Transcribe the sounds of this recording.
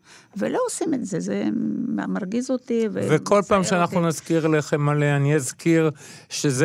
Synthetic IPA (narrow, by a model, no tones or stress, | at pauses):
vḛloosimetzezema̰maʁɡizot̪ivḛveko̞lpaːmʃeanaχnunazkiʁleχemaleaniazkiʁ | ʃez